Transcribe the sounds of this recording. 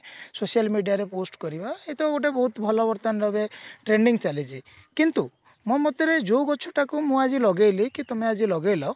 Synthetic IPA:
sosialmiɖijaɾeposʈkɔɾibaet̪ɔkoʈ̬abɔɦut̪bʱɔlɔbɔɾt̪anɾabeʈɾeɳɖiŋt͡ʃalit͡ʃʰi | kint̪u | mɔmɔt̪iɾed͡ʒowɡɔt͡ʃʰɔʈakumũad͡ʒilɔɡejlikit̪ɔmead͡ʒilɔɡejlɔ

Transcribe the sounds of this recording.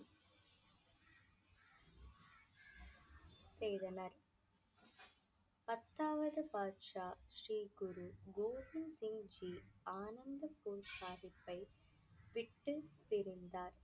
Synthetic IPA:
sejðɐnɐɾ | pɐt̪ːaːʋɐðɯpaːʈʂaːʃriːɡʊɾuɡoːʋɪnsɪŋd͡ʒiːaːnɐnd̪ɐpuːɾsaːðɪpːɐɪ | ʋɪʈːɯt̪ːɪɾɪnd̪aːɾ

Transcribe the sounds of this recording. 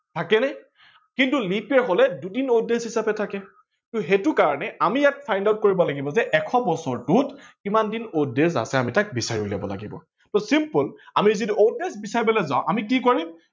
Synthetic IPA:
tʰakɛnɛ | kintulipɛɹɦɔlɛdudinodeshɦisapɛtʰakɛ | kituɦetukaɹɔnɛamijatpʰajndaʊt̚koɹibɔlaɡibɔzɛʔɛkʰɔbɔsɔɹtutkimandinodes̬a̰sɛamitak̚bisaɹiula̰bɔ̰la̰ɡibɔ̰ | tɔsimpʊlamizidiodesbisaɹibɔlɛzaʊ̃ʔamikikoɹim

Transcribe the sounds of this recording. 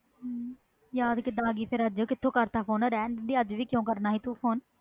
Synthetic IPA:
jaːd̪kɪd̪ãɡiːpʰɪɾəd͡ʒkɪt̪ʰːõːkəɾt̪aːpʰoːnɾɛːnd̪iːəd͡ʒʋiːkjõːkəɾnaːɦiːt̪uːpʰoːn

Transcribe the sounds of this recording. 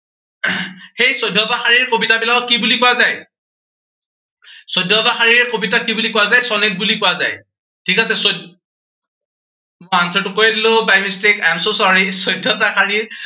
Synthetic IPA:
xejsɔjdʱːɔbaxaɹiɹkobitabilakɔt̚kibulikʊwazaj | sɔjdʱːɔbaxaɹiɹkobitakibulikʊwazajsɔnet̚bulikʊwaza̰j | tʰikasɛsɔd | mansɛtʊkojadilʊ̃bajmistekajmsosɔɹisɔjdʱːɔbaxaɹiɹ

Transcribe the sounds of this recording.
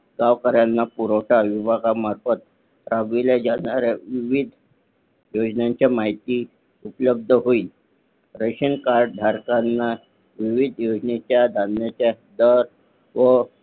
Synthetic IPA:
ɡ̥aʋkəɾjanːapuɾoʈaʋibʱaɡamaɾfət̪̚ | ɾaʋilad͡zaɽaɾɛʋiʋid̪ʱ | jod͡znãɲt͡ɕjamaɦit̪iː | upələb̚d̪ʱəɦoi | ɾəɕinkaɾɖ̚dʱaɾkanːa | ʋiʋid̪ʱjod͡ʑnet͡ɕjad̪ʱanːat͡ɕa | d̪əɾ | ʋə

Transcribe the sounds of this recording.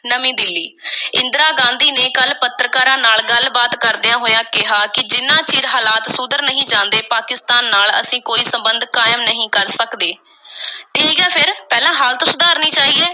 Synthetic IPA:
nəmĩːd̪ɪlːiːɪ̃nd̪ɾaːɡãːnd̪iːneːkəlpət̪ɾəkaːɾãːnaːlɡəlbaːt̪kəɾd̪ejãːɦoːjãːkɪɦaːkɪd͡ʒɪnːãːt͡ʃiːɾɦaːlaːt̪sʊd̪əɾnəɦĩːd͡ʒãːnd̪eːpaːkɪst̪aːnːaːlə̰sĩːkoːiːsəmbənd̪kaːjəmnəɦĩːkəɾsəkd̪eː | ʈʰiːkɛːpʰɪɾpɛːlãːɦaːlt̪osʊd̪aːɾnĩːt͡ʃaːɦiːeː

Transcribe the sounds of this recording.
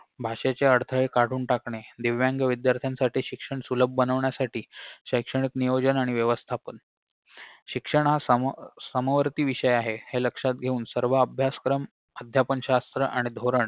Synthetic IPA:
bʱaʂet͡seəɽt̪ʰəɭekaʈuːnʈakɳed̪iʋʋjaŋɡəʋid̪jaɾt̪ʰjansaʈiːɕikʂəɳsuləbʱbənəʋɳjasaʈʰiːɕəjkʂəɳ̃ik̪nijod͡ʑənaɽ̃iʋjəʋəst̪ʰapən | ɕikʂəɳɦassəməʋəɾt̪iːʋiɕəjaɦeheləkʂat̪̚ɡʱeuːnsəɾʋəəbʱjaskɾəm | əd̪ʱjapənɕast̪ɾəʔaɽ̃id̪ʱoɾəɳ

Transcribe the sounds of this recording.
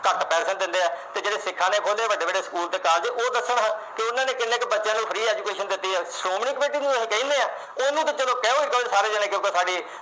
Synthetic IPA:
kəʈpɛːɾsənd̪ɪ̃nd̪eːaːt̪eːd͡ʒeːɽeːsɪkʰːãːneːʔoːd̪eːʋəɖːeːbəɖeːsə̥kuːlt̪eːkaːld͡ʒeːʔoːd̪əsːɳɦãːkɪʊnːãːneːkɪnːẽːkbətːʃjãːnũːpʰəɾiːɛːd͡ʒuːkeːʃənd̪ɪt̪ːiːɦɛːsɾoːmnɪkbeːʈiːnũːsẽːkəĩːneːaː | oːnũːt̪et͡ʃəd̪oːkɛ̃ːoːɪkəsaːɾeːd͡ʒɛneːkɪoːkaːsaːɖiː

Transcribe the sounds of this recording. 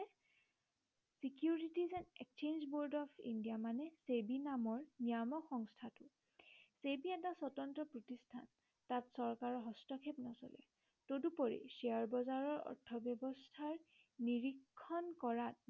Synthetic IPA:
sikjuɹitizɛnekt͡ʃenzboɹdɔpʰḭndijamanɛsebinamɔɹnijamɔxɔŋstʰatʊ | sebiɛtasɔtɔntɹɔpɹotistʰa̰n | tatsɔɹkaɹɔɦɔstɔkʰepnɔsɔ̰lɛ̰ | todupɔɹḭseaɹbɔzaɹɔɹɔ̰ɹtʰːɔbjɔbɔstʰaɹ | niɹikʰːɔnkɔɹat

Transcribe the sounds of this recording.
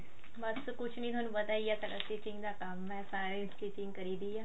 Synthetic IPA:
bɐskʊt͡ʃʰnĩt̪ʰaːnũbət̪aːiat̪ɐɾa̰siʈɪ̃ŋɡd̪aːkɐmɛsaːɾesʈiːʈɪ̃ŋɡkəɾiːd̪ijaː

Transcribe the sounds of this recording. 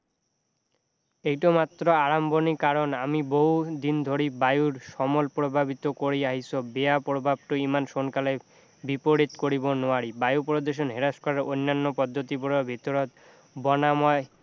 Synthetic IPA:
ejʈomat̪ːɾoaɾambonikaɾonamiboɦud̪ind̪ʱoɾibajuɾʃɔmolpɾobʱabit̪okoɾiaɦisobeapɾobʱab̚ʈoimanʃonkale | bipoɾit̪koɾibonoaɾibajupɾod̪eʃ̬onɦeɾaʃkɔɾaɾonːanːopɔd̪ʱːot̪ipoɽobʱit̪oɾot̪ | bɔnamɔe

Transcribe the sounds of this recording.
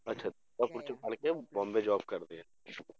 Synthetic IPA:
ɐtːʃʰad̪ | apʊɾt͡ʃəpɐɽkebɔ̃ːmbed͡ʒaːbkɐɾd̪ee

